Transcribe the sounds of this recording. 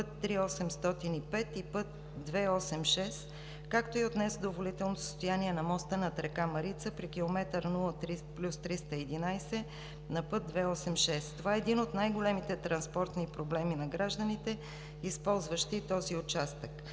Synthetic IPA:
pt̪ːɾiɔsɛmst̪ɔt̪inipɛt̪ipɤt̪ | d̪vɛɔsɛmʃɛs | kakt̪oiot̪nɛsd̪ovolit̪ɛlˠnosə̥st̪ojaniɛnɐmɔst̪ənɐt̪ɾɛkamɐɾit̪səpɾikilˠomɛt̪əɾnulˠət̪ɾiplʲust̪ɾist̪əɛd̪inajsɛ | nɐpɤt̪̚d̪vɛɔsɛmʃɛst̪ːovaɛːd̪inot̪najɡolɛmit̪ɛt̪ɾɐnspɔɾt̪nipɾoblɛminɐɡɾaʒd̪ənit̪ɛ | ispɔlˠzvəʃt̪it̪ɔziʊt͡ʃast̪ək

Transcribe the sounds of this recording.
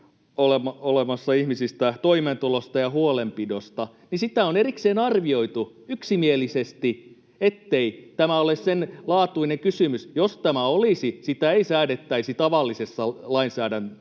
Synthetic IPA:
olemɑolemɑsːɑihmisist̪æt̪oiment̪ulost̪ɑjɑhuolempidost̪ɑ | nisit̪æonerikseːnɑrʋio̞it̪u | yksimielisest̪i | et̪ːeit̪æmæolessenlɑːt̪uineŋkysymysjost̪æmæolisisit̪æeisæːdet̪ːæisit̪ɑʋɑlːisesːɑlɑinsæːdæn

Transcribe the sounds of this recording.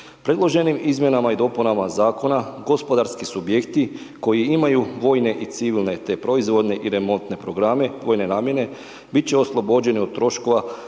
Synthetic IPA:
pɾe̞d̪lˠo̞ʒe̞nimizmje̞namaid̪o̞punamazaːko̞naɡo̞spo̞d̪aɾskisubjekt̪i | ko̞jiimajuʋo̞ːjne̞ʔit̪siʋilˠne̞t̪e̞pɾo̞izʋo̞d̪ne̞ʔiɾe̞mo̞nt̪ne̞pɾoɡɾame̞ʋo̞jne̞naːmje̞ne̞ | bit̪̚t͡ɕeo̞slˠobo̞d͡ʑe̞niod̪̚t̪ːɾo̞ʃko̞ʋa

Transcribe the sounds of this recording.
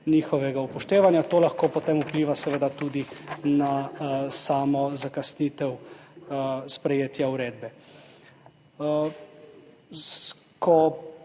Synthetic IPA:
niːxɔʋɛɡaupɔʃt̪eːʋanjat̪oːlaxkoːpɔt̪emupliːʋasɛʋeːd̪at̪uːd̪inasaːmɔzakasnit̪ɛw | spɾɛjeːt̪jauɾeːd̪bɛ | s | kʰɔ

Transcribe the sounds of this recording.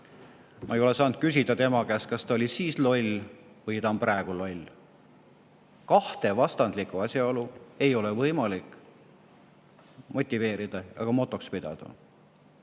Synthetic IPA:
mʔɑejo̞le̞sɑːnd̪̥̚kysʲid̪̥ɑt̪e̞mɑkæːskɑst̪ɑolʲisiːslo̞lʲ | vɤjt̪ɑmpræeɡ̥ulo̞lʲ | kɑht̪e̞vɑst̪ɑnd̪̥likˑuɑsjɑo̞lue̞jo̞levɤjmɑlikˑ | mo̞t̪ʲːˑive̞ːɾid̪̥ɑjɑ̰ɡ̥ɑmo̞t̪ːˑo̞kspid̪̥ɑ̰d̪̥ɑ̰

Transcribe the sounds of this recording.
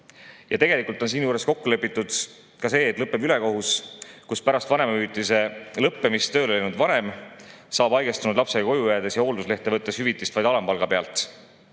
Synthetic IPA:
jɑt̪e̞ɡ̥e̞likˑult̪ːo̞nsiːnjuːɾe̞sko̞kːulepːˑit̪ˑːud̪̥ | kɑse̞ːt̪ːˑlɤpːˑe̞byle̞ko̞ɦuskuspæɾɑst̪vɑne̞mɑyːt̪ise̞lɤpːemist̪ø̞ːleejnud̪vɑne̞msɑːb̥ɑjɡ̥est̪unud̪lɑpse̞ɑko̞jujæd̪̥e̞sjɑo̞ːld̪usle̞ht̪ːˑe̞vɤt̪ːˑeshyvit̪ˑːist̪vɑjd̪̥ɑlɑmpɑlɡ̥ɑpe̞ɑ̰lt̪ˑ

